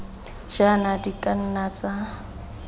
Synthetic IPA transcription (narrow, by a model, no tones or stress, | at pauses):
d͡ʒanadikʼan̩nat͡sa